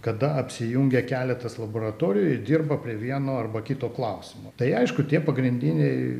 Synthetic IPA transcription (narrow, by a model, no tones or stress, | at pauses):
kɐd̪ɐɐpʲsʲɪjuŋʲɡʲɛkʲæːlʲɛt̪ɐslˠɐboːɾɐt̪oːɾʲɪjʊɪd̪ʲirbɐpʲɾʲiɛʋʲiɛnoːɐrbɐkʲɪt̪oːklˠɐʊsʲɪmoːt̪ɐɪɐɪʃkʊt̪ʲiɛpɐɡɾʲɪnʲd̪ʲinʲɛɪ